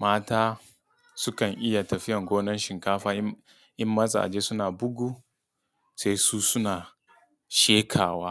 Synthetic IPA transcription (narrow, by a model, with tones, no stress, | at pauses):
maː˦taː˦ | sʊ˦kɐ˨ŋʔɪ˦ja˨tɐ˨ɸɪ˦jɐ˨ŋɡʷoː˦nɐ˦nʃɪ˨ŋkaː˦ɸaː˦ | ʔɪ˦mːɐ˦zʼa̰ː˨ʔa̰˨d͡ʒeː˦sʊ˦naː˨bʊ˦ɡʷu˦ | se˦suː˦sʊ˦naː˨ | ʃeː˦kʰaː˨waː˦